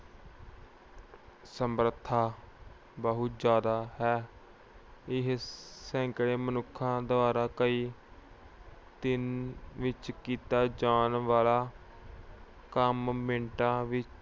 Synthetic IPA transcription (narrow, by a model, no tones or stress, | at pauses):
səmɾət̪ʰːaː | bəɦʊt̪d͡ʒjaːd̪aːɦɛː | ɪɦsɛ̃ːŋkɽeːmənʊkʰːãːd̪əʋaːɾaːkəiː | t̪ɪnʋɪt͡ʃkiːt̪aːd͡ʒaːnʋaːlaː | kəmmẽːɳʈãːʋɪt͡ʃ